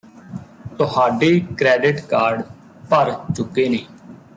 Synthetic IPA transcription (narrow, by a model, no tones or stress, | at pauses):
t̪ʊɦaːɖeːkɾɛːɖɪʈkaːɾɖ | pəɾt͡ʃʊkːeːneː